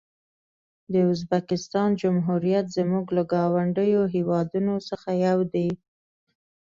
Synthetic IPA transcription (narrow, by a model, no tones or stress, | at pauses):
d̪əʊzbakɪst̪ɑnd͡ʒʊmɦuɾijat̪zəmuɡlaɡɑwaɳɖəjoɦewɑd̪unosəxajawd̪i